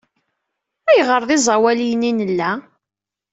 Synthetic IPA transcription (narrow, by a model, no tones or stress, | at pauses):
æjʁəɾˤðˤizˤɑwælijninəlːæ